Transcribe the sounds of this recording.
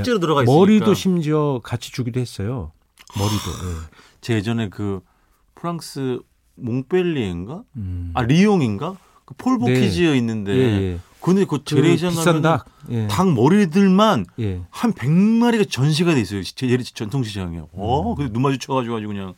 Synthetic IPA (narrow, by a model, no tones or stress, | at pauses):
t͡ɕ͈eɾonɯɾʌɣaim͈ʌɾidoɕʰimd͡ʑʌkat͡ɕʰi̥t͡ɕuɡidohes͈ʌjo | mʌɾido̰je | t͡ɕe̞d͡ʑʌne̞kɯ | pʰɯɾaŋs͈ʰɯ | moŋp͈e̞ʎːienɡaːɾijoŋinɡa | kɯpʰoɭbokʰid͡ʑiʌinːɯnde̞kɯʌndekʌt͡ɕeɾed͡ʑaŋɡamaʌnna | jetaŋmʌɾidɯɭmanjehanpe̞ŋmaɾiɡat͡ɕʌnɕ̬ʰiɡade̞is͈ʌjot͡ɕeeɾt͡ɕʌntʰoŋɕʰid͡ʑaŋejoʌkɯndenumad͡ʑut͡ɕʰʌɡad͡ʑuɡɦad͡ʑiɡuɲa